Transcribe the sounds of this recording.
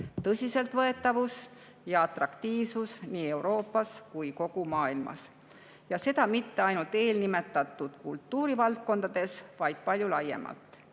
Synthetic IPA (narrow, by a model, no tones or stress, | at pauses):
t̪ɤsʲise̞lt̪vɤe̞t̪ˑːɑvus | jɑɑt̪rɑkt̪iːvsusniːe̞wɾo̞ːpːˑɑskujko̞ɡ̥umɑːilmɑ̰s | jɑse̞d̪ɑmit̪ːe̞ɑjnult̪e̞ːlnime̞t̪ːˑɑt̪ˑːud̪̥kult̪ːˑuːɾivɑlt̪̚ko̞nd̪̥ɑd̪̥e̞svɑjd̪̥̚pɑlʲjulɑje̞̰mɑ̰lt̪ːˑ